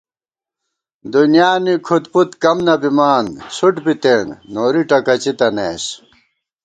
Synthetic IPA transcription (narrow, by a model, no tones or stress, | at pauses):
d̪unjaːnikʰut̪put̪kɐmnɐbimaːnsuʈbit̪eːŋɡnoːɾiʈɐkɐt͡ɕit̪ɐneːs